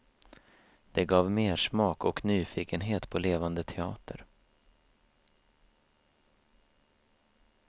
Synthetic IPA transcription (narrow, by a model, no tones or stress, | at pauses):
d̪̥ɛɡɑːvmeːʂmɑːkɔknyːfiːkənɦeːt̪pʰɔleːvand̪ət̪ʰɛɑːt̪ʰə̰ɾ